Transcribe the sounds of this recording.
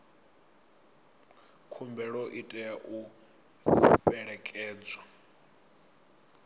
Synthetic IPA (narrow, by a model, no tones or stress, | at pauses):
kʰumbɛɺɔʔitʼɛjaʔu | fɛɺɛkʼɛːd͡zwa